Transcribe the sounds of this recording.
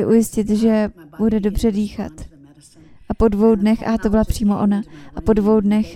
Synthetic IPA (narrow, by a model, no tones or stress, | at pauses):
ɪʔujɪscɪt̪ʒɛb̥udɛdo̞br̝̥ɛdiːxa̰t̪ | ʔapo̞dvo̞wdnɛxat̪o̞bɪlapr̥iːmo̞ʔo̞naʔapo̞dvo̞wdnɛx